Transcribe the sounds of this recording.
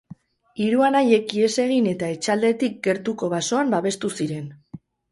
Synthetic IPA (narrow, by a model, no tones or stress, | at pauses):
iɾuanaje̞kie̞se̞ɣ̞ine̞t̪ae̞t͡ʃald̪e̞t̪ik̚ɡe̞ɾt̪uko̞β̞aso̞ambaβe̞st̪usiɾe̞n